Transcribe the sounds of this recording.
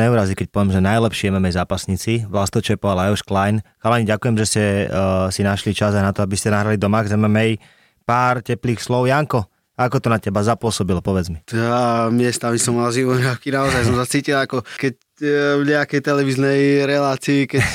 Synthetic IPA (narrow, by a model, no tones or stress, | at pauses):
nɛuɾazikɛc̚pɔʋjɛmʒɛnajlɛpʃɪɛmɛmɛjzaːpasɲit͡siʋlast̪ɔt͡ʃɛpɔalaɔʃklajnxalaɲiɟakujɛmʒɛscɛsinaʃlit͡ʃazajnat̪ɔabiscɛnaɦɾalid̪ɔmaɡzɛmɛmɛj | paːɾcɛpliːxslɔʊjaŋkɔ | aakɔt̪ɔnacɛbazapʊɔsɔbilɔpɔʋɛd͡zmijamɪɛst̪amisɔmalʒimɔɾakinaɔzajs̬ɔmsat͡siːcilˠakɔkɛc̚ | vɲɛakɛjt̪ɛlɛʋiznɛjɾɛlaːt͡siːkɛ